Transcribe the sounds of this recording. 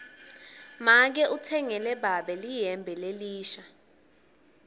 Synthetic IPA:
mak̬ɛʔutʰɛŋɛlɛɓaɓɛlijɛmbʱɛleliːʃa

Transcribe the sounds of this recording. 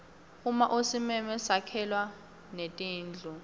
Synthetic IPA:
umaʔosimɛmɛsakʰɛlwa | netʼiːnd͡ɮʱu

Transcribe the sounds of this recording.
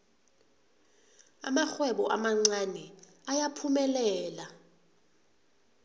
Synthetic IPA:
a̰maxwɛɓɔʔamaŋ͡ǀanɛ | ajapʰumɛlɛːla

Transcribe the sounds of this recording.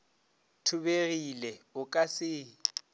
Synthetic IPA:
tʰʊβerilɛʊkʼasɪː

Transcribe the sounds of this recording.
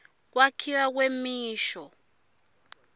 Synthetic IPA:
k̬wakʰiwak̬wemiːʃɔ

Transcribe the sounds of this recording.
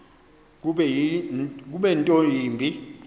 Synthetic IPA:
k̬uɓɛjik̬uɓɛntʼojiːmbʱi

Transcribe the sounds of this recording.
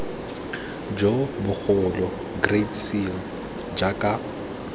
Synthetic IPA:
d͡ʒobʊk͡xʊlɔ | ɡretsil | d͡ʒakʼa

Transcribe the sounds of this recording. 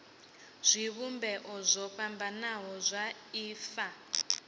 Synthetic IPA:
z̥ʷiβumbɛʔɔzʷɔɸambanaɦɔzʷa | iːfa

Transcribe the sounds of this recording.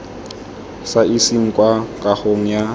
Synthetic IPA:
saisiŋ̩kʼwakʼahoŋ̩ja

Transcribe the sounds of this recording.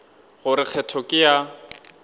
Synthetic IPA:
ɣʊɾɪk͡xʰɛtʰɔkʼɪja

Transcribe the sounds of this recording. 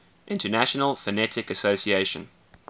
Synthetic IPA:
ʔɪ̃ntənæʃənəlˠfənɛtɪkəsoʊsieɪʃə̰̃n

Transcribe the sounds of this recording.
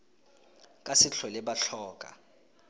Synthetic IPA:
kʼasɪɬʰwɛlɛɓaɬɔːkʼa̰

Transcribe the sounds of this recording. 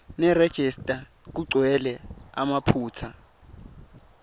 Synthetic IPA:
nɛred̥ʒ̥ʱɛstʼa | k̬uǀwɛlɛamapʰuːt͡sʰa

